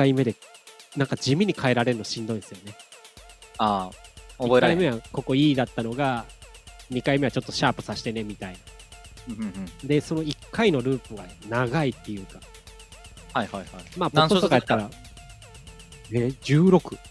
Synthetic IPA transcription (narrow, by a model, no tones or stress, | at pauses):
kaime̞d̪e̞nãŋkad͡ʑimʲiɲ̟ikʰae̞ɾaɾe̞ɾɯ̟noɕĩnd̪o̞ĩsɨjone̞ | aoieɾaime̞βako̞ko̞iːd̪at̪ːano̞ɡa | ɲ̟ikaime̞βat͡ɕo̞t̪ːo̞ɕaːpɯ̟̥saɕi̥t̪e̞ne̞mʲit̪ainã | d̪e̞so̞no̞ikʰːaino̞ɾɯ̟ːpɯ̟ɡanaɡait̪ːe̞jɯ̟ːkḁ | hajhajajmaːbõot̪okaat̪ːaɾa | ed͡ʑɨːɾo̞kɯ̟